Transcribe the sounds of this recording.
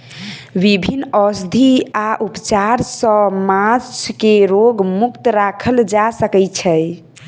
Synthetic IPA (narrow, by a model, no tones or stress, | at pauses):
ʋibʱinːəsd̪ʱiaʔupt͡ʃaɾsə̃mãt͡ʃʰkeɾoɡmukt̪ɾakʰəld͡ʒasəkɛt͡ʃʰɛj